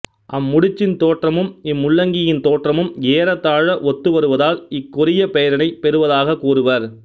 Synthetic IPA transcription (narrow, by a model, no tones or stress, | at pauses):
ʔɐmːʊɽɪt͡ʃːɪnt̪oːʈrɐmɯmɪmːʊɭːɐŋɡɪjɪnt̪oːʈrɐmɯmeːɾɐt̪ːaːɻɐʔɔt̪ːɯʋɐɾɯʋɐðaːlɪkːʊɾɪjɐpɛjɐɾɐnɐɪpɛɾɯʋɐðaːɣɐkuːɾɯʋɐɾ